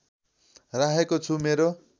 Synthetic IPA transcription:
raɦekot͡sʰumeɾo

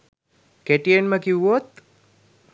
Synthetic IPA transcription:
keʈijenməkiʋot̪

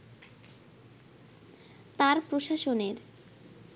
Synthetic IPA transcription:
t̪aɾpɾoʃaʃoneɾ

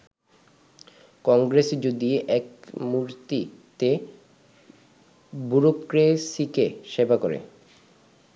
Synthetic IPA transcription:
kɔŋɡɾesd͡ʑod̪iʔɛkmuɾt̪it̪e | buɾokɾesikeʃebakoɾḛ

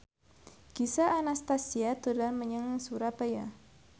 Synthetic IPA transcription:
ɡ̥isaʔanast̪asiat̪udanməɲəŋŋsuɾapaja

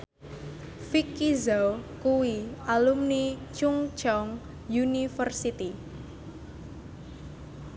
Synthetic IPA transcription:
fikːizawkuwialumnit͡ʃuŋt͡ʃɔŋ | junifərsit̪i

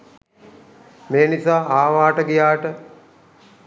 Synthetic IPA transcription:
meːnisaːaːʋaːʈəɡijaːʈə

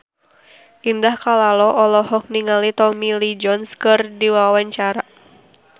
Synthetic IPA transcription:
ʔindahkalalɔʔɔlɔhɔk̚niŋalit̪ɔmilid͡ʒɔnskɨrdiwawaɲt͡ʃaɾa

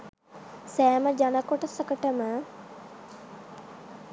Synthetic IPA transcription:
sæːməd͡ʒanəkoʈəsəkəʈəmə

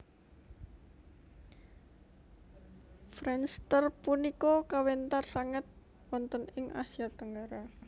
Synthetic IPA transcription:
fɾɛnst̪ərpunikɔkawent̪arsaŋət̪̚ | wɔnt̪ənɪŋʔa̰sijat̪əŋɡaɾa

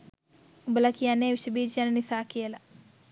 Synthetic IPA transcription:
ubəlakijanːeːʋiʃəbiːd͡ʒijanənisaːkijəla

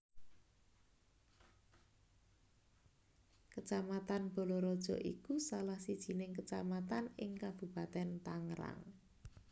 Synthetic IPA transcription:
kət͡ʃamat̪anb̥ɔ̤lɔɾɔd̥ʒ̥ɔ̤̰ʔḭkusalahsid̥ʒ̥i̤nɪŋkət͡ʃamat̪anɪŋkab̥ṳb̥a̤t̪ɛnt̪aŋɾa̰ŋ

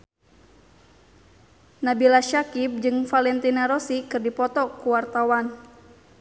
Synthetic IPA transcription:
nabilaʃakip̚d͡ʒɨŋfalɛnt̪inaɾɔsikɨrdipɔt̪ɔkuwart̪awan

